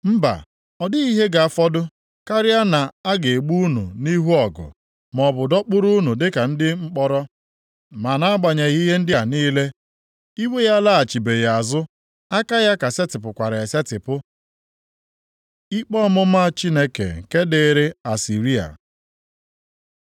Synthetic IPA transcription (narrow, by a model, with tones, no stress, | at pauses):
m̩˦ba̰˨ | ɔ˨dɪ˦i˦ɦe˦ɡa˨a˨fɔ˦dʊ˦ | ka˦ɾɪ˦a˦na˨a˦ɡe˨e˨ɡ͡bu˦u˦nṵ˨ni˦ɦu˦ɔ˨ɡʊ̰˨ | mɔ˨bʊ˨dɔ˦k͡pʊ˦ɾu˦nu˨dɪ˦ka˨n̩˦dɪ˦ŋ͡m̩˦k͡pɔ˦ɾɔ˦ | ma˨na˨a˦ɡ͡ba˨ɲe˨˦i˦ɦe˦n̩˦dɪ˦a˨niː˦le˦ | i˦we˦ja˦la˦a˨t͡ʃi˨be˨ja˨a˨zʊ˦ | a˦ka˦ja˦ka˨se˦tɪ˨pʊ˨kʷa˨ɾe˨e˨se˦tɪ˨pʊ˦ | i˦k͡pɔ˦mʊ˦ma˦˨t͡ʃi˦ne˦kḛ˨ŋ̩˨ke˦de˦˨˦ɾe˦a˨si˨ɾi˦a̰˨